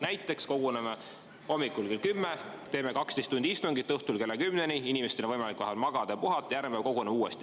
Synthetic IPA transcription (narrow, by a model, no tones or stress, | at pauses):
næjt̪ːˑe̞ksko̞ɡ̥uneme | o̞mːikːˑulkelkymːet̪e̞ːme̞kɑkst̪est̪ːund̪̥ist̪uŋɡit̪ːɤht̪ulke̞lːekymne̞niinimest̪enevɤjmɑlikːˑvɑɦelmɑɡ̥ɑd̪̥ɑpuɦɑt̪ːˑjæɾmeko̞ɡuneuːest̪i